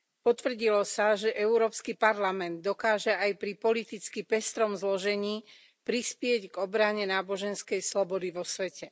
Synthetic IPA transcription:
pɔt̪ʋr̩ɟilɔsaʒɛʔɛʊɾɔːpskipaɾlamɛnd̪ːɔkaːʒɛajpɾipɔlit̪it͡skipɛst̪ɾɔmzlɔʒɛɲiː | pɾispɪɛɟɡɔbɾaɲɛnaːbɔʒɛnskɛjslɔbɔd̪iʋɔsʋɛcɛ

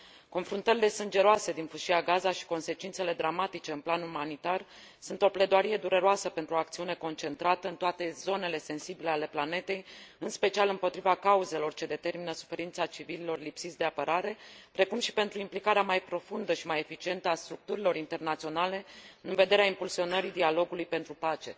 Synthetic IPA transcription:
ko̞nfɾunt̪əɾile̞sɨnd͡ʒe̞ɾoase̞d̪infuʃiaɡazaʃi̥ko̞nse̞t͡ʃint̪se̞le̞d̪ɾamat̪it͡ʃe̞ɨnplanumanit̪ar | sunt̪ople̞d̪oaɾije̞d̪uɾe̞ɾoasəpe̞nt̪ɾuo̞ak̚t̪siune̞ko̞nt͡ʃe̞nt̪ɾat̪əɨnt̪oat̪e̞zo̞ne̞le̞se̞nsibile̞ale̞plane̞t̪e̞jɨnspe̞t͡ʃialɨmpo̞t̪ɾivakauze̞lo̞rt͡ʃe̞d̪e̞t̪e̞rminəsu̥fe̞ɾint̪sat͡ʃivililo̞rlipsit̪sʲd̪e̞apəɾaɾe̞pɾe̞kumʃi̥pe̞nt̪ɾuimplikaɾeamajpɾo̞fund̪əʃimaje̞fit͡ʃie̞nt̪əast̪ɾuk̚t̪uɾilo̞ɾint̪e̞rnat̪sio̞nale̞ɨnved̪e̞ɾeaimpulsio̞nəɾid̪ialo̞ɡulujpe̞nt̪ɾupat͡ʃe̞

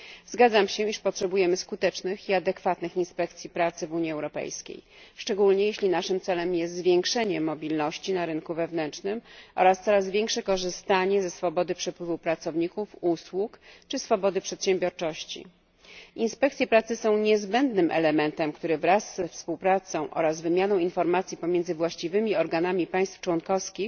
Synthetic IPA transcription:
zɡad̪zamɕɛiʂpɔtʂɛbujɛmɘskut̪ɛt͡ʂnɘxiad̪ɛkfat̪nɘxinspɛkt̪sʲjipɾat̪sɘvuɲiɛwɾɔpɛ̰jskʲḛj | ʂt͡ʂɛɡulɲɛjeɕlʲinaʂɘmt̪sɛlɛmjɛst̪zvʲjeŋkʂɛɲɛmɔbʲilnɔɕt͡ɕinaɾɘnkuvɛvnɛnt͡ʂnɘmʔɔ̰ɾast̪sɔɾazvʲjeŋkʂɛkɔʐɘst̪aɲɛzɛsfɔbɔd̪ɘpʂɛpwɘvupɾat̪sɔvɲikufuswukt͡ʂɘsfɔbɔd̪ɘpʂɛt̪ɕɛmbʲjɔɾt͡ʂɔɕt͡ɕḭ | ʔinspɛk̚t̪sʲjɛpɾat̪sɘsɔ̃w̃ɲɛzbɛnd̪nɘmʔɛ̰lɛmɛnt̪ɛmkt̪uɾɘvɾasːɛfspuwpɾat̪sɔ̃w̃ʔɔ̰ɾazvɘmʲjanɔ̃w̃infɔɾmat̪sʲjipɔmʲjɛnd̪zɘvwaɕt͡ɕivɘmʲiɔɾɡanamʲipaj̃st̪ft͡ʂwɔnkɔfskʲix

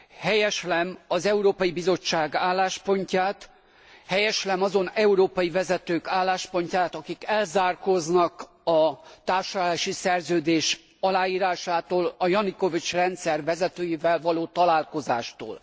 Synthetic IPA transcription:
hɛjɛʃlɛmɒzɛuɾoːpɒjibizo̞t͡ʃːaːɡaːlːaːʃpo̞ɲcaːt̪ | hɛjɛʃlɛmɒzo̞nɛuɾoːpɒjivɛzɛt̪øːkaːlːaːʃpo̞ɲcaːt̪ɒkikɛlzaːrko̞znɒk | ɒt̪aːrʃɒlaːʃisɛrzøːd̪eːʃ | ɒlaːjiːɾaːʃaːt̪oːlɒjɒniko̞vit͡ʃrɛnt̪sɛrvɛzɛt̪øːjivɛlvɒloːt̪ɒlaːlko̞zaːʃt̪o̰ːl

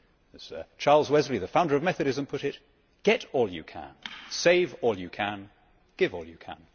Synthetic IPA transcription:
ɨz̥t͡ʃʰɑɹlˠzwɛzliðɨfãʊ̃ndə˞ʌvmɛθɨɾɨzə̃mpʰʊɾɪt̚ | ɡ̥ɛɾɔlˠjɨ̰kʰə̰̃nseɪvɔlˠjɨkʰə̃n | ɡ̥ɪvɔ̰lˠjɨkʰə̰̃n

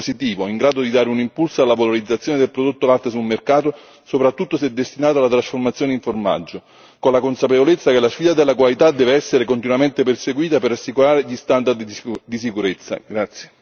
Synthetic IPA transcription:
sit̪iːvoiŋɡɾaːd̪od̪id̪aːɾeunimpulsoalːavaloɾid̪zːat̪sjoːned̪elpɾod̪ot̪ːolalt̪esulmerkaːt̪o | sopɾat̪ːut̪ːosɛd̪ːest̪inaːt̪oalːat̪ɾasformat̪sjoːneiɱforma̰d͡ʒːo | konlakonsapevolet̪sːakelasfiːd̪ad̪elːakwalit̪ad̪ːɛːveɛsːeɾekont̪inuwament̪ep̬erseɡwiːt̪aperasːikuɾaːɾeʎist̪and̪ard̪d̪is̬ikuɾet̪sːa̰ɡɾat̪sje

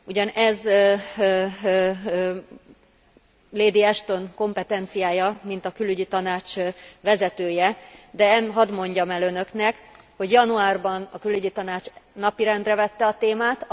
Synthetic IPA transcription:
uɟɒnɛz | leːd̪iɛʃt̪o̞ŋko̞mpɛt̪ɛnt̪sijaːjɒmin̪t̪ɒkylːyɟit̪ɒnaːt͡ʃvɛzɛt̪øːjɛd̪ɛɛnɦɒd̪mo̞ɲɟɒmɛlø̞nø̞knɛk | ho̞ɟjɒnuaːrbɒnɒkylːyɟit̪ɒnaːt͡ʃnɒpiɾɛnd̪rɛvɛt̪ːɛɒt̪eːmaːt̪

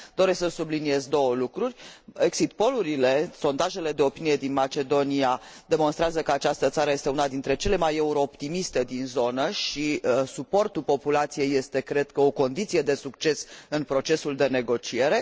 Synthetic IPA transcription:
d̪̥o̞ɾesʲksəsublinije̞zd̪o̞wəlukɾurʲeksit̪̚po̞luɾile̞so̞nd̪aʒe̞le̞d̪e̞o̞pinije̞d̪inmat͡ʃe̞d̪o̞niad̪e̞monst̪ɾeazəkəat͡ʃast̪ət̪saɾəjest̪eunad̪int̪ɾe̞t͡ʃe̞le̞maje̞uɾo̞ːpt̪imist̪e̞d̪inzo̞nəʃisupo̞rt̪ulpo̞pulat̪sije̞jːe̞st̪e̞kɾe̞d̪kəo̞ko̞nd̪it̪sije̞d̪e̞sukt͡ʃe̞sɨnpɾo̞t͡ʃe̞suld̪e̞ne̞ɡo̞t͡ʃie̞ɾe̞

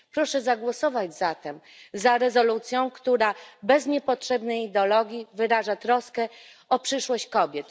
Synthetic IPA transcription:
pɾɔʂɛzaɡwɔsɔvad͡ʑzat̪ɛm | zaɾɛzɔlut̪sʲjɔ̃w̃kt̪uɾabɛzɲɛpɔtʂɛbnɛjid̪ɛɔlɔɡʲjivɘɾaʐat̪ɾɔskɛ | ɔpʂɘʂwɔɕt͡ɕkɔbʲjɛt̪

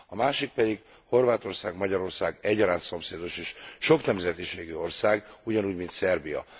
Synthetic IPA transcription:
ɒmaːʃik̚pɛd̪iɡ | ho̞rvaːt̪o̞rsaːɡmɒɟɒɾo̞rsaːɡɛɟːɒɾaːnt̪so̞mseːd̪o̞ʃeːʃʃo̞knɛmzɛt̪iʃeːɡyo̞rsaːɡuɟɒnuːɟmint̪sɛrbijɒ̰

